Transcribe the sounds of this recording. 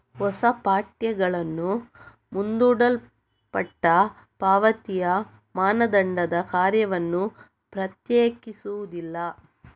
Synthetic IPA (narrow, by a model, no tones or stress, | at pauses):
hɔsɐpaːʈjɐɡɐɭɐnːu | mund̪uːɽɐl | pɐʈːɐ | paːʋɐt̪ijɐ | maːnɐd̪ɐɳɖɐd̪ɐkaːɾjɐʋɐnːu | pɾɐt̪jeːkisuʋud̪ilːɐ